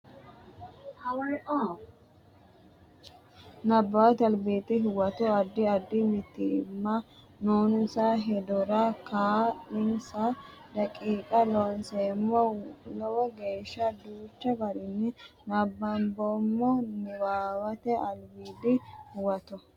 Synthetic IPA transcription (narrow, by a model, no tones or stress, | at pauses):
hɐwɐjʔɔ | nɐbːɐwɐt̪ɐlbiːt̪ɪɦʊwɐt̪ɔɐd̪ːɪɐd̪ːɪmɪt̪ːɪɪ̰mːɐ | nuːnsaɦɛd̪ɔɾakaːlɪnsɐd̪ɐkʼiːkʼɐlɔnseːmːɔlɔwɔɡeːʃːɐd̪uːt͡ʃːɐbɐɾɪnːɪnɐbːɐmbɔmːɔnɪwaːwɐt̪ɛɐlbiːd̪ɪhʊwɐt̪ɔ